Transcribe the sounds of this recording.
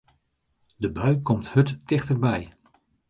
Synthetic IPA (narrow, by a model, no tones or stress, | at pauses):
dəbœɥkɔmthɵtdɪχtəɹbɛj